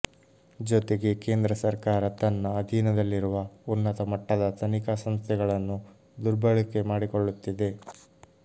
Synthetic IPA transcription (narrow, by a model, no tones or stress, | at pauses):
d͡ʒot̪e̞ɡe̞ke̞ːnd̪ɾɐsɐɾkaːɾɐt̪ɐnːɐːd̪ʱiːnɐd̪ɐlːiɾuʋɐunːɐt̪ɐmɐʈːɐd̪ɐt̪ʰɐnikɐsɐmst̪ʰɛɡɐɭɐnːu | d̪uɾbʱɐɭike̞maːɽikoɭːut̪ːid̪e̞